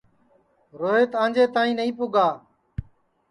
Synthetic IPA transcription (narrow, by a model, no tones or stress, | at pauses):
ɾoːɦeːt̪ãːnd͡ʒeːt̪ãːĩːnəĩːpʊɡaː